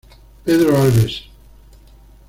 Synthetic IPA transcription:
peðɾoalβes

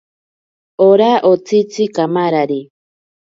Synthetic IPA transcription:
oɾaʔot͡sit͡sikamaɾaɾi

